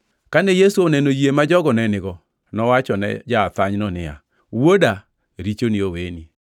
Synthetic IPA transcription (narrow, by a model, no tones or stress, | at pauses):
kanejesuonɛnojiemad͡ʒɔɡɔnɛnɪɣɔ | nɔwat͡ʃɔnɛ̰d͡ʒaːt̪aɲnɔnɪa̰ | woda | ɾit͡ʃonɪoweni